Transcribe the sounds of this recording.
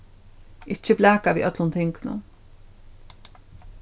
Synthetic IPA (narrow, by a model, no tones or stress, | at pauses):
ʔɪt͡ʃːəblæːkaʋḭːʔœt̪lʊnt̪ʰɛŋknʊ̰